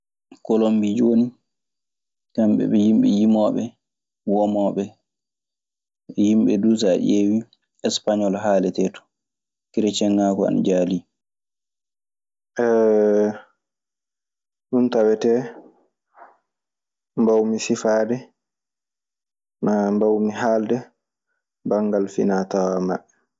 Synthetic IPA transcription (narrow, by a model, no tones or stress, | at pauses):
kolombid͡ʒoːni | kamɓɛ̰ɓɛjimɓɛjimɔɓɛ̰ | wɔmɔːɓɛ | jimɓɛdusaʔewi | ɛspaɲɔlɦaːlɛtɛːtɔ̥ | kiɾɛt͡ʃɛŋːaːkɔa̰nd͡ʒaːli | ʔɛ | ɗuntawɛtɛ | mbawmisifaːdɛ | mambawmiɦaldɛ | baŋɡalfḭnatamaɓːɛ